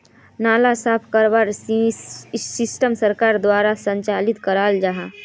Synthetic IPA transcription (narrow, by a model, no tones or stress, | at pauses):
naːlasaːpʰkəɾbaɾ | sɪsʈəmsəɾkaːɾd̪waːɾasə̃ɲt͡ʃaːlɪt̪kəɾaːld͡ʒaɦa